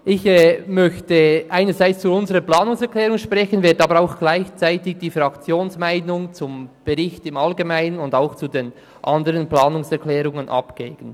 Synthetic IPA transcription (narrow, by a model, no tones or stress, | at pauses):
ʔɪçɛːmœçtəʔaɪnəzaɪt͡st͡suʊnzəʁəplɑːnʊŋsɛʁkʰlɛːʁʊŋʃpʁɛçənvɪɐtɑːbəɾaʊxɡ̥laɪçt͡saɪtɪɡ̚d̥iːfʁɑkt͡sjoːnsmaɪnʊŋt͡sʊmb̥ɛʁɪçtɪmɑlɡemaɪnənʊndaʊxt͡suden | ʔɑndəɾənplɑːnʊŋsɛɾkʰlɛːʁʊŋənʔɑ̰pɡ̥eːɡ̥ən̩